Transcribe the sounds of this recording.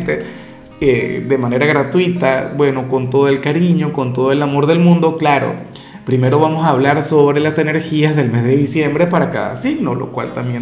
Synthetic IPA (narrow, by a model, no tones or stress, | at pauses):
t̪e | ed̪emãne̞ɾaɣɾat̪wit̪abwe̞no̞ko̞nt̪o̞ð̞oelkaɾiɲo̞ko̞nt̪o̞ðoe̞lamo̞ɾðe̞lmũnd̪o̞klaɾo̞̰ | pɾime̞ɾo̞βamosaːβlaɾso̞βɾe̞lase̞ne̞ɾxiazðe̞lme̞zðe̞ðisje̞mbɾe̞paɾaka̰ða̰siɣno̞lo̰kwa̰lt̪ambje